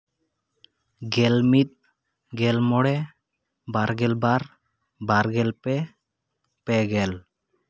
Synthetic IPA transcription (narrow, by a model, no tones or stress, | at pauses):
ɡɛlmit̪̚ | ɡɛlmɔɽɛ | baɾɡɛlbaɾ | baɾɡɛlpɛ | pɛɡɛl